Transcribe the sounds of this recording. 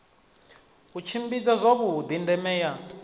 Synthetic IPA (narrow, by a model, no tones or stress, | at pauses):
kut͡ʃʰimbid͡zazʷoβud̪indɛmɛːja